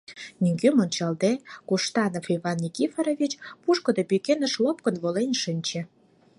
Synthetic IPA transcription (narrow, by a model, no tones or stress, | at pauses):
nʲyŋɡømont͡ɕɑld̪ekuʃt̪ɑnofiβɑnːikifɑɾoβit͡ɕpuʃkŏd̪opykenə̆ʃlop̚kə̆nβolenʲʃɨnʲt͡ɕe